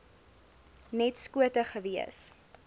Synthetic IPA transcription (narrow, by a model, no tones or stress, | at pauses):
nɛtskuətəχəviə̰s